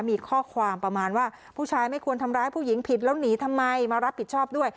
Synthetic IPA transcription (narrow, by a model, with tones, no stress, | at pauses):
miː˧kʰɔː˥˩kʰwaː˧mpɾa˧maː˧nwaː˥˩ | ppʰuː˥˩t͡ɕʰaː˧jma˥˩jkʰu˧ənt̪ʰa˧mɾaː˦˥jpʰuː˥˩ji˩˦ŋpʰi˨˩t̪̚lɛː˦˥wniː˩˦t̪ʰa˧mːa˧jmaː˧ɾa˦˥p̚ʰːi˨˩t͡ɕʰɔː˥˩p̚du˥˩əj